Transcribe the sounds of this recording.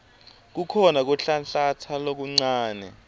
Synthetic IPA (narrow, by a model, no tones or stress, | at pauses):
k̬ukʰɔnak̬uɬanɬatʰalok̬uŋ͡ǀaːnɛ̰